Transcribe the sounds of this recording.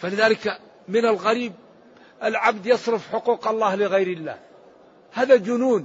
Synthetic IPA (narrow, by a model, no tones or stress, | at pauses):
falɪðaːlɪk | mɪnalɣaɾiːb̚ | ʔalʕabd̪jɑsˤɾɪfħʊquːqɑlˤːɑːhlɪɣajɾɪlːa̰ːh | haːðad͡ʒʊnuːn